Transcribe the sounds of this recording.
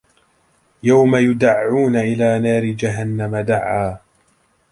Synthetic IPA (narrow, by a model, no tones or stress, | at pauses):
jawmajʊd̪aʕːuːnaʔɪlaːnaːɾɪd͡ʒaɦanːamad̪aʕːaː